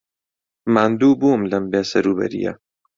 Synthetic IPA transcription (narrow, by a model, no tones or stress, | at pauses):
maːnd̪uːbuːmlɐmbeːsɐɾuːbɐ̰ɾḭjɐ̰